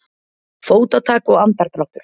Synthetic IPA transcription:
foːwt̪at̪ʰaːkɔɣant̪aɾt̪ɾɔht̪ʏɾ̥

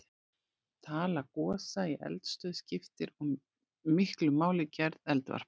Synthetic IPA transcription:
t̪ʰaːlakɔːsaiʔɛ̰lt̪st̪œːðscɪft̪ɪɾɔmː | ɪhklʏmaːwlɪcɛɾðɛlt̪va̰ɾ̥p

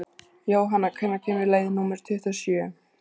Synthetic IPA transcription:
joːwɦanːakʰɛnːacʰɛːmɪɾleːjðɪnumɛɾ̥t̪ʰɪht̪asjœː

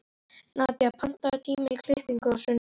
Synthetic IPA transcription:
nat̪japʰan̥t̪at̪ʰiːmɪikʰlɪhpiŋkʏawsʏn

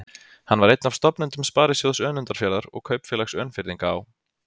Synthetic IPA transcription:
hanːvaɾejt̪nav̥st̪ɔpnʏnt̪ʏmspaːɾɪsjowðsœːnʏnt̪aɾ̥fjɛːlaɾɔ̰ɣkʰœːɥpfjɛːlaksœːnfɪɾiŋkaːw

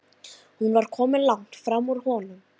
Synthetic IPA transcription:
hunvaɾ̥kʰɔːmɪnlawŋt̪fɾamuɾ̥hɔnʏm

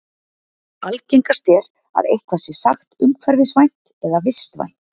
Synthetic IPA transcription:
alcejŋkast̪jɛɾ | a̰ðejhkvasɛsaxt̪ʏmkʰvɛɾvɪsvajn̥t̪ɛðavɪst̪va̰jn̥t̪

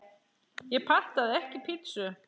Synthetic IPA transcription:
jɛpʰar̥t̪aðɪɛhcɪpʰɪt̪sʏ

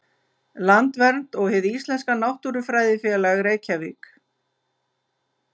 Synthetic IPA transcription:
lant̪vɛɾn̥t̪ɔɣhɪvðist̪lɛnskanawht̪uɾʏfɾaːjðɪfjɛːlaɣɾeːjcʰavik

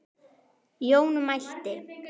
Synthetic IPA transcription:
jownmaɬt̪ɪ

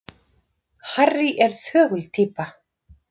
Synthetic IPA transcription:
harːɪʔɛɾ̥θœːɣʏlt̪ʰiːpa

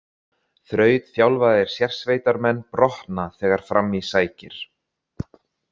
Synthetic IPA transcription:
θɾœːɥt̪θjawlvaðɪɾ̥sjɛr̥svejt̪aɾmɛnːpɾɔht̪naθɛːɣaɾ̥fɾamisaːjcɪ̰ɾ̥

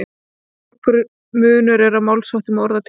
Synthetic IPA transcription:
kʏɾʏ | mʏːnʏɾɛɾamawlsawht̪ʏmɔɾðat̪ʰ

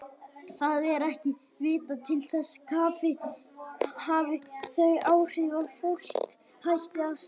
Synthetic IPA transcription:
θaðɛɾɛhcɪ | vɪːt̪at̪ʰɪlθɛsːkʰaːpɪ | havɪθœɥaːwr̥ɪːvafur̥t̪ | hajht̪ɪaðs

